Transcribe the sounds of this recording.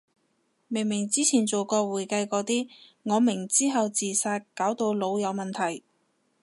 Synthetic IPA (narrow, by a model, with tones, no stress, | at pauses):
mɪ˨˩ŋmɪ˨˩ŋt͡siː˥t͡sʰiː˨˩nt͡so˨˩wkɔː˧wuː˨˩jkɐ˧jkɔː˨˧˥t̪iː˥ŋɔː˨˧mɪ˨˩ŋt͡siː˥ɦɐ˨wt͡siː˨saː˧t̚kaː˨˥wt̪o˧wlo˨˧wjɐ˨˧wmɐ˨nt̪ʰɐ˨˩j